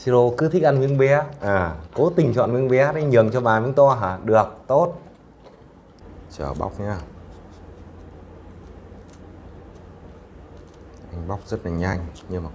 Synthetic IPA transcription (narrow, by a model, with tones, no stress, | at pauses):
si˧zo˧kɨ˨˦t̪ʰi˦˥k̚ʔa˧nŋwi˧ənɓɛ˨˦ʔaː˨˩ko˨˦t̪ï˨˩ŋ̟t͡ɕwa̰ː˧˨nwənɓɛ˨˦ɗa˨˦jɲɨ˨˩əŋt͡ɕɔ˧ɓaː˨˩vḭ˧˦ŋt̪ɔ˧ɦaː˧˩ɗɨ˨˩ək̚t̪o˦˥t̚ | t͡ɕəː˧˩ɓa̰˦˥wk͡p̚ɲaː˧ | ʔa˧jŋ̟ɓa˦˥wk͡p̚zə˦˥t̚laː˨˩ɲa˧jŋ̟ɲɨ˧maː˨˩